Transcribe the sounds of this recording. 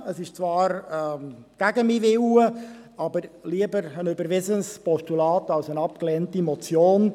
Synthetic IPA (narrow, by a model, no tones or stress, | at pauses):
əsɪʃt͡sʋɑːɾ | ɡ̥æɡəmiveuːəɑbəɾliəbəɾənʏbəɾʋɪsənspɔstulɑːtɑlsənɑp̚klɛntimɔt͡sjoːn